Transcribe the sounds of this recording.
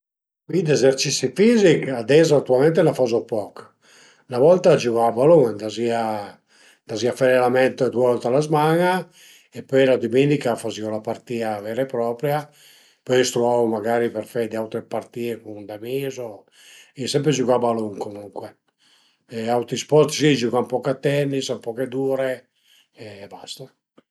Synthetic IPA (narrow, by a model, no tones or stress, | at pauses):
kid̪ɛzeɾt͡ʃisifizikad̪ɛzaat̪ːualmɛnt̪̬elafazopɔk | navɔlt̪ad͡ʒuɣabaluŋd̪azia | d̪aziafaɾɛlamɛnt̪d̪uaɔlt̪alazmaŋa | ɛpːɔjlad̪umenikafaziolapaɾt̪iːavɛɾepɾɔːpɾja | pɔjst̪ɾuawmaɡaːɾipɛɾfɛd̪iawt̪ɾepaɾt̪iːekund̪amizo | isɛmpɾed͡ʒuɡabaluŋkomuŋkwe | ɛawt̪ɾispɔɾt̪sid͡ʒuɡampɔkat̪ːɛnːisampɔked̪uːɾe | ɛbast̪a